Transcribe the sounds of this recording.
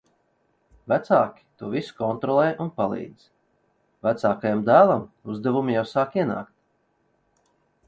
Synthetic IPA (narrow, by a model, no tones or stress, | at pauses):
væt̪saːkʲi̥t̪uɔvisu̥kɔnt̪ɾɔlˠɛːjʔunpalˠḭːd̪z̥ | væt̪saːkajamd̪æːlˠamuzd̪ɛvumijawsaːkiɛna̰ːkt̪